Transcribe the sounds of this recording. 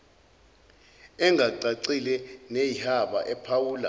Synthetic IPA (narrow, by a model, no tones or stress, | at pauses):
ɛŋɡʱaǀaǀilɛnejihaɓa̰ʔɛpʰawuːla̰